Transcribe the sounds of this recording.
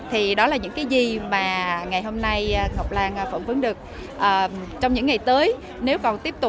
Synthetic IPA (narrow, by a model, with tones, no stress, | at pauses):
t̪ʰi˨˩ɗɔ˨˦laː˨˩ɲɨ̰˧˥ŋkaː˨˦jzi˨˩maː˨˩ŋa˨˩jɦo˧mna˧jŋɔ˨˩wk͡p̚laː˧ŋʔfə̰˧˩nvɨ˨˦ŋɗɨ˨˩ək̚ | ʔəː˨˩t͡ɕɔ˧wŋ͡mɲɨ̰˧˥ŋːa˨˩jt̪əː˨˦j | ne˨˦wkɔ˨˩nt̪i˦˥əp̚t̪ʊ˨˩